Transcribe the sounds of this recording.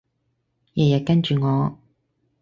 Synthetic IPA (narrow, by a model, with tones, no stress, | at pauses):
jɛ˨˩jɐ˨t̚kɐ˥nt͡ʃyː˨ŋɔː˨˧